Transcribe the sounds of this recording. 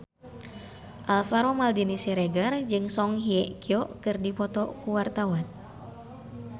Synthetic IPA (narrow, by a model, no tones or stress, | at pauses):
ʔalfaɾomaldinisɛɾeɡard͡ʒɨŋsɔŋɦiɛʔkiɔʔkɨrdipɔt̪ɔkuwart̪awan